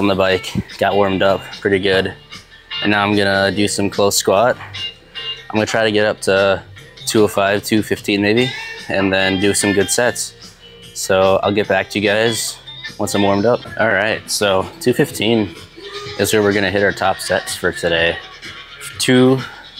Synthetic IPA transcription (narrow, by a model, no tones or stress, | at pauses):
ʌ̃m̩ðəbaɪkɡ̥ɑʔ̚wɔ̃ɹmdʌpʰɹ̥ɪɾiɡʊd | ɨ̃nːaʊãɪ̃mɡʌnədɨsʌ̃mkʰl̥oʊskwɑt̚ | ãɪ̃mɡʌnətʰɹ̥aɪɾɨɡɛɾʌp̚tʰətʰʉəfaɪv̥tʰʉfɪftʰĩnmeɪbiɨ̃nðɨ̃ndɨsʌ̃mɡʊd̥sɛts | soʊa̰ɪlˠɡɛt̚b̥æk̚tʰɨjɨɡaɪz̥wʌ̃nsãmwɔ̃ɹmdʌp̚ʔɑlˠɹaɪt̚soʊtʰʉfɪftʰĩn | ʔɨzwə˞wɨɹɡʌnɨɦɪɾaʊə˞tʰɑpsɛtsfə˞tʰɨɾeɪ | tʰʉ